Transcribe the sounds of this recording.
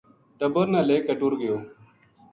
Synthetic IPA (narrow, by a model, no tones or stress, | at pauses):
ʈ̪əbəɾnaːleːkəʈuɾɡəjoː